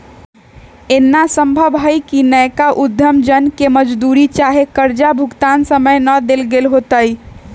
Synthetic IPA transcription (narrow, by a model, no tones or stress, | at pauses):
enːasəmbʱəbɦəjkinəjkaʔud̪ʱjəmd͡ʒənkeməd͡ʒd̪uɾit͡ʃaɦekəɾd͡ʒabʱuɡt̪ansəməjnəd̪elɡelɦot̪əj